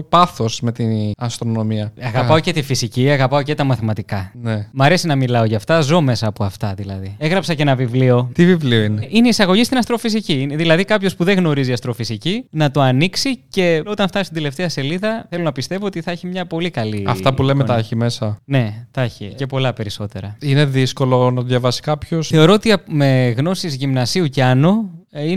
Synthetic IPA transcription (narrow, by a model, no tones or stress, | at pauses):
pɐθo̞sme̞t̪iɐst̪ɾo̞no̞miɐɐɣɐpɐoce̞t̪ifisiciɐɣɐpɐo̞ce̞t̪ɐmɐθimɐt̪ikɐnemɐɾe̞sinɐmilɐo̞ʝɐft̪ɐzo̞me̞sɐːpoɐft̪ɐðilɐ̰ðie̞ɣɾɐpsɐcenɐvivlio̞t̪ivivlioineʔineisɐɣo̞ʝist̪inɐst̪ɾo̞fis̬icinðilɐðikɐpçospuðeŋɣno̞ɾiziɐst̪ɾo̞fisicinɐt̪o̞ɐniksice̞o̞t̪ɐnft̪ɐnist̪id̪ele̞ft̪eɐse̞liðɐθe̞lo̞nɐpist̪e̞voot̪iθɐeçimɲɐpo̞likɐliɐ̰ft̪ɐpule̞met̪ɐçime̞sɐne̞t̪ɐçḭce̞po̞lɐpe̞ɾiso̞t̪e̞ɾɐine̞ðisko̞lonɐt̪oðjɐvɐsi̥kɐpço̞sθe̞o̞ɾo̞ot̪iɐme̞ɣno̞sizʝimnɐsiuceɐnoi